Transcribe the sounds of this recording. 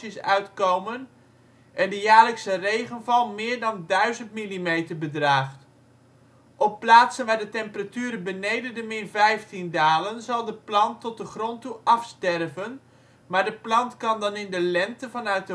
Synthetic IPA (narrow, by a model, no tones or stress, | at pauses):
əsœɥtkowmən | ʔɛndəjaːɹləksərejχənvɑlˠmɪːɹdɑndœɥzəntmilimejtəɹbədraːχt | ʔɔpːlaːtsənʋaːɹdətɛmpəratyːɾəbənejdəndəmɪrvɛjftindaːlənzɑlˠdəplɑntɔt̚dəχrɔntuʔɑfstɛrɹvən | maːɹdəplɑntkɑndɑnɪndəlɛntəvɑnœɥt̚də